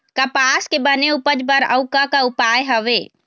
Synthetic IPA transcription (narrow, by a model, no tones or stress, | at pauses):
kəpaːskebəneupəd͡ʒbəɾə̰ʊkakaupajɦəʋe